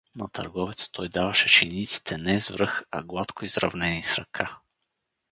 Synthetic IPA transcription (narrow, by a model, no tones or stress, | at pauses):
nɐt̪ʰɐ̰ɾɡɔvɛt̪st̪ʰɔjd̪avɐʃɛt͡ʃɛnit̪si̥t̪ʰɛnɛzvɾɤxɐ̰ɡlˠat̪kʰoizɾɐ̰vnɛnisɾɐ̰kʰa